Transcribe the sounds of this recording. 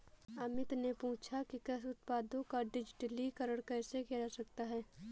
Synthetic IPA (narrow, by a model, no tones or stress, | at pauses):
ɐmɪt̪nepũːt͡ʃʰakikɐsʊt̪paːd̪õkaɖɪd͡ʒɪʈəlikəɾəɽkɛːsekeasɐkt̪aɦɛː